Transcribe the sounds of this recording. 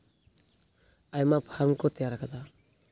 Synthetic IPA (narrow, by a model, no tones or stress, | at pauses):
ajmapʰaɾmkɔt̪ejaɾakʰad̪a